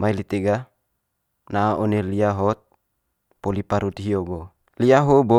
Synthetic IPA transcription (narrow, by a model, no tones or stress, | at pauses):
mailit̪eɡa | naʔoneliaɦɔt̪̚ | polipaɾut̪iɦioɡo | liaɦobo